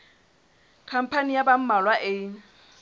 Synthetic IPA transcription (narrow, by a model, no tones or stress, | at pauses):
kʰam̩pʰanijabam̩malwaʔɪ